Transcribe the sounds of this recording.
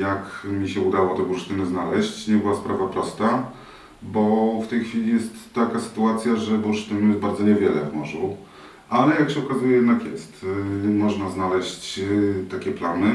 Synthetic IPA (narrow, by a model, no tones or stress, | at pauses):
jakmʲiɕɛud̪awɔt̪ɛbuɾʂt̪ɘnɘznalɛɕt͡ɕɲɛbɨwaspɾavapɾɔst̪a | bɔft̪ɛjxfʲilʲijɛst̪ːakasɘ̥t̪uat̪sʲjaʐɛbuɾʂt̪ɘnujɛzbaɾd̪zɔɲɛvʲjɛlɛ̰vmɔʐṵ | ʔalɛjakɕɛɔkazujɛjɛd̪nakjɛst̪mɔʐnaznalɛɕt͡ɕt̪akʲɛplanɘ